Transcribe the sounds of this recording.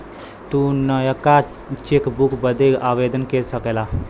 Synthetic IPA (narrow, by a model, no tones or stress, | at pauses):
t̪unəjəka | t͡ʃekbukbəd̪eɡaʋed̪ənkesəkela